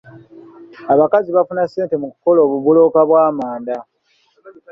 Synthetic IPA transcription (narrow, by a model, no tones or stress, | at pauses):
aβakaziβafunase̞ːnte̞muku̥ko̞lo̞ːβuβulo̞ːkaβwaːmaːnda